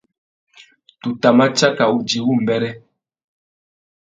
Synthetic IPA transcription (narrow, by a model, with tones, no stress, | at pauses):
tu˨ta˨ma˦t͡ʃa˦ka˨u˦d͡ʒi˨wu˦˨m˨bɛ˦ɾɛ˦